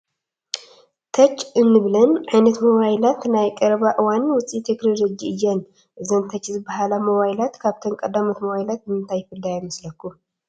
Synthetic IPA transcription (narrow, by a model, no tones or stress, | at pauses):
t̪ʰɐt͡ʃːɨnːɨβlɐnʕajnɐt̪moβajlat̪najkʼɐɾβaʔɨwanwʊt͡sʼit̪ʰekɾolod͡ʒiʔɨjːɛn | ʔɨzɐnt̪ʰɐt͡ʃːzɨbaɦalamoβajlat̪kʰaβt̪ʰənkʼɐd̪amɐt̪moβajlat̪̚mɨnt̪ʰajɪfɨld̪ajɛmɐslɐkːu